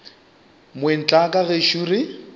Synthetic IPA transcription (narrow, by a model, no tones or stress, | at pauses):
mwen̩t͡ɬʼakʼaɣeʃuri